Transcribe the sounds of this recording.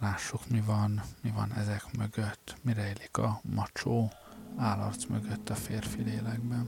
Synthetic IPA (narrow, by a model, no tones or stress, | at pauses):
laːʃːukmivɒnmivɒnɛ̰zɛkmøɡøt̪ːmiɾɛiːlikɒmɒt͡ʃoːaːlɒ̰rt̪smøɡøt̪ːɒfeːrfileːlɛɡ̚bɛn